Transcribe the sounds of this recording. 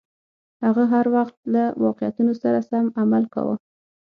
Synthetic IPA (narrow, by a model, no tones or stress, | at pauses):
haɣaɦaɾwaxt̪̚lawɑqɪjat̪unosaɾasamamalka̰wə̰